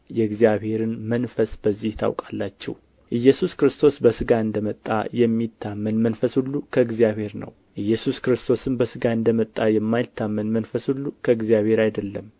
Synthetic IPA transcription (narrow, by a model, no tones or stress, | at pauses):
jɛɡzijaβhe̞ɾɨnmənfəsbəzːiht̪ʰa̰wkʼalːat͡ʃːɛ̰w | ʔɨjːɛsuskɾɨst̪ʰo̞sbəsɨɡaɨnd̪əmət̪ʼːa̰jɛmːit̪ʰːamːənmənfəshulːukʰəɨɡzijaβhe̞ɾnə̰w | ʔɨjːɛsuskɾɨst̪ʰo̞sɨmbəsɨɡaɨnd̪əmət̪ʼːajɛmːajt̪ʰːamːənmənfəshulːukʰəɨɡzijaβhe̞ɾajd̪əlːəm